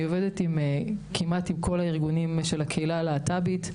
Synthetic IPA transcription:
ovedetimkʰimatimkʰo̞laiʁɡunimʃelakʰeilaleːtabit

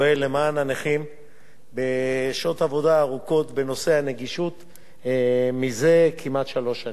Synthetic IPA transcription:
elemananeχim | beʃo̞tavo̞daːʁuko̞t̪be̞no̞se̞ane̞ɡiʃut̪ | mize̞kʰimat̪ʃalo̞ʃan

